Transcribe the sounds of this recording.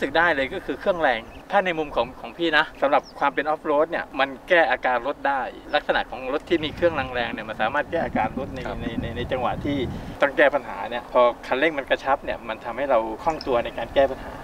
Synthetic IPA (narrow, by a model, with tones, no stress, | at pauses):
sɯ˨˩k̚daː˥˩jlɤː˧jkɔː˥˩kʰɯː˧kʰɯ˥˩əŋɾɛː˧ŋt̪ʰaː˥˩na˧jmu˧mkʰɔː˩˦ŋkʰɔː˩˦ŋpʰiː˥˩na˦˥sa˨˦mɾa˨˩p̚kʰwaː˧mpe˧nʔɔ˦˥p̚loː˦˥t̪̚ni˥˩əma˧nkɛː˥˩ʔaː˧kaː˧nɾo˦˥t̪̚daː˥˩jla˦˥k̚sa˧na̰˨˩ʔkʰɔː˩˦ŋɾo˦˥t̪ʰːiː˥˩miː˧kʰɯ˥˩əŋla˧ŋɾɛː˧ŋni˥˩ɐma˧nsaː˩˦maː˥˩t̪̚kɛː˥˩ʔaː˧kaː˧nɾo˦˥t̪̚na˧jna˧jna˧jna˧jt͡ɕa˧ŋwa̰˨˩ʔt̪ʰiː˥˩t̪ɔ˥˩ŋkɛː˥˩pa˧nɦa̰ː˩˦ni˥˩ɐpʰɔː˧kʰa˧nle˥˩ŋma˧nka˧t͡ɕʰa˦˥p̚ni˥˩ɐma˧nt̪ʰa˧mha˥˩jɾa˧wkʰɔ˥˩ŋt̪u˧ɐna˧jkaː˧nkɛː˥˩pa˧nha̰ː˩˦